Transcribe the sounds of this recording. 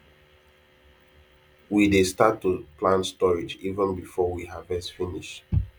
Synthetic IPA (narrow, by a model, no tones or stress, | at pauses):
widestatːuplãnstɔɹid͡ʒivə̃nbifɔwihavɛstfiniʃt